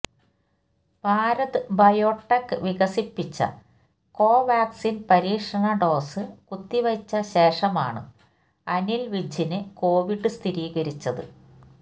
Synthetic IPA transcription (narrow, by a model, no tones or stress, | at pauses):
paːɾɐðɨbɐjoːʈːɐkːɨʋiɣɐsipːit͡ɕːɐ̰ | ko̞ːʋaːksinpɐɾiːkʂɐɳɐɖo̞ːsɨkut̪ːiʋɐt͡ɕːɐɕe̞ːʂɐma̰ːɳɨ̰ | ɐnilʋid͡ʑʱinɨko̞ːʋiɖɨst̪ʰiɾiːɣɐɾit͡ɕːɐðɨ̰